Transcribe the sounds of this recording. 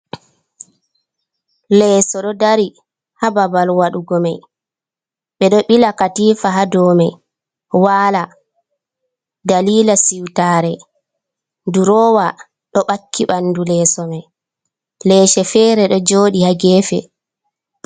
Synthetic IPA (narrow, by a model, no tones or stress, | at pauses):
lɛsɔɗɔdaɾi | hababalwaɗuɡɔmaj | ɓɛɗɔɓilakatiːfaɦadɔːmɛ | waːla | daliːlasiwtaːɾɛ | nduɾɔːwa | ɗɔɓakʰːiɓanːdulɛːsɔmɛ | lɛːʃɛfɛːɾɛɗɔd͡ʒoːɗihaɡɛːfɛ̰